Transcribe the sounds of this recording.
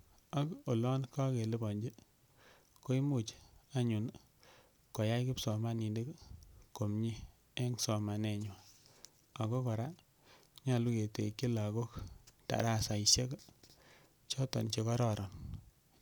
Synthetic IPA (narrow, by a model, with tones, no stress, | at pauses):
a˦ko˨lɔ˦nka˦ke˨li˦bɔ˨ɲd͡ʒi˦ | ko˦i˦mu˦t͡ʃa˦ɲu˨n | kɔ˨ja˦jkɪ˦psɔ˨ma˦ni˨nde˦kko˨mɲi˦ | e˦ŋsɔ˨ma˨ne˨ɲwa˨ | a˨ko˦kɔ˨ɾa˦ | ɲa˨lu˦ke˨tḛ˨ki˦la˨ɡo˦kta̰˨ɾa˦˨sa˨i˨ʃe˦k | t͡ʃɔ˦tɔ̰˨nt͡ʃe˨kɔ˦ɾɔ˨ɾɔ˨n